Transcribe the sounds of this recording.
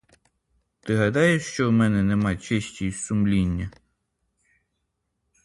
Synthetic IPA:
t̪ɪɦɐd̪ɑjʊʃt͡ʃɔwmɛnɛnɛmɑt͡ʃeʃʲtʲisumlʲinʲːɐ

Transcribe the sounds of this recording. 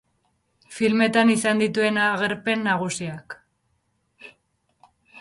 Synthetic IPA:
filme̞t̪anisand̪it̪ue̞naɣe̞ɾpe̞nːaɣ̞usiak

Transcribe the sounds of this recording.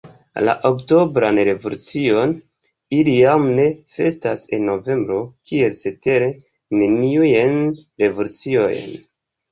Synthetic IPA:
la̰ʔokto̞bɾanɾe̞volut͡sio̞n | ilijamne̞fe̞stase̞nːo̞ve̞mbɾo̞kʰie̞lse̞te̞ɾe̞ | ne̞niujenɾe̞volut͡siojn

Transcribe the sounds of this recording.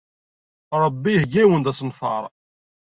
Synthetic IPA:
ɾˤəbːijəhɡæwənd̪æsnfɑ̰ɾˤ

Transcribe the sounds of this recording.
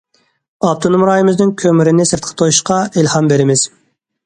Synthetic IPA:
ɑp̚t̪ʰonumɾɑːjimɪznɪŋkʲʰømɪɾɪnɪsɪɾt̪qʰət̪ʰojuʃqɑɪlhɑmbeɾɪmɪz̥

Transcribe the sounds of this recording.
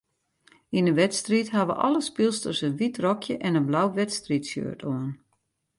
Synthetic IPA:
inənʋɛtstritɦaʋə̰ʔɔ̰lˠəspilˠstøsəənʋitrɔkʰjəʔɛnənblawʋɛtstritsjø̰ətʰoən

